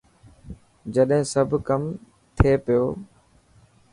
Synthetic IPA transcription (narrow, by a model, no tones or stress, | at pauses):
d͡ʑɐɗɦɪ̃sɐbʱkɐm | t̪ʰeːpɪjoː